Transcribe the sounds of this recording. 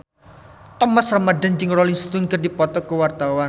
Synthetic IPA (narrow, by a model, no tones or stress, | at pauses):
t̪ɔmasramadand͡ʒɪŋrɔlɪŋst̪ʊŋkərdipɔt̪ɔkəwart̪awan